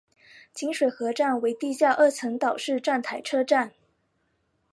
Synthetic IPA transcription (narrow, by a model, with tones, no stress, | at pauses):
t͡ɕi˧˥ŋʂwe˨˩ɪxɤ˧˥ʈ͡ʂa˥˩nwe˧˥ɪt̪i˥˧ɕja˥˧ʔə˥˩t͡sʰɤ˧˥ŋt̪ɑ˨˩ʊʂɻ̩˥˧ʈ͡ʂa˥˩nt̪ʰa˧˥ɪʈ͡ʂʰɤ˥ʈ͡ʂa˥˩n